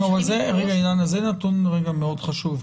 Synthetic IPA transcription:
avalzeʁeɡainjanazenat̪unʁeɡameo̞d̪χaʃuv

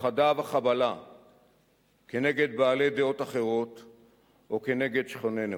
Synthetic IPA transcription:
χad̪avaχabala | ke̞neɡe̞d̪̚baːle̞d̪eo̞t̪aχeʁo̞t̪ | ʔoke̞ne̞ɡe̞d̪ʃχo̞nene

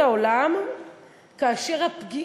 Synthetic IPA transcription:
aolam | kaːʃeʁhapɡi

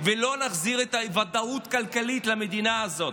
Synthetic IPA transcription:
velo̞naχziʁet̪avad̪aut̪kalkalit̪lamed̪inaːzo̞t̪

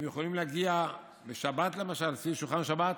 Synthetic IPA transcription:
mjeχolimleaɡia | beʃabat̪lemaʃalsiʃuχanʃabat̪

